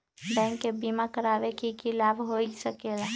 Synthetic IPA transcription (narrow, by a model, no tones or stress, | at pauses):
bɛ̃ŋkːebimakəɾaʋekikilaːbʱɦoisəkela